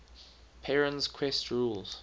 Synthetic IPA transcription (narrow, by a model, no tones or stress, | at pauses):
pʰɛɹə̃nz̥kʰw̥ɛstʰɹuːlˠz̥